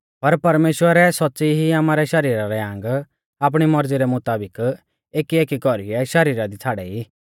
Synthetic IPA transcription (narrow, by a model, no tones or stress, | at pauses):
pɐɾpɐɾmeːʃwəɾɛsɔtːsiɦiaːmaːɾɛʃɐɾiːɾaɾɛãŋɡ | aːp̬ɽ̃imɐɾziɾɛmʊt̪aːbɪk | eːkieːkikɔɾiɛʃɐɾiːɾad̪it͡sʰaːɽɛi